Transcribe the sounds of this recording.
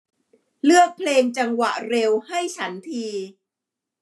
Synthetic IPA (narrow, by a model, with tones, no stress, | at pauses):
lɯ˥˩ək̚pʰleː˧ŋt͡ɕa˧ŋwa̰˨˩ʔɾe˧wha˥˩jt͡ɕʰa˦˥nt̪ʰiː˧